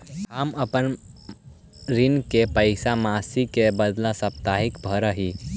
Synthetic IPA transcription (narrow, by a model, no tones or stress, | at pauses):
kaːmɐpən | ɾinkepəɪsamaːsikebəd̪lasɐp̚t̪aɦikbʱəɾəɦi